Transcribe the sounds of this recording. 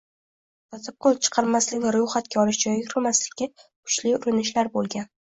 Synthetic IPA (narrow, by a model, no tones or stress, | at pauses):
t̪ɒt̪ʰɪp̚qʰolˠt͡ʃʰɨ̥qʰɑɾmaslɪkʲvaɾʊjχat̪̚kʲaɒlɪʃd͡ʒɒjʲɪɾɪmaslɪkʲːakʰʊ̥t͡ʃlɪʊɾɪnɪʃlaɾbolˠɡʲan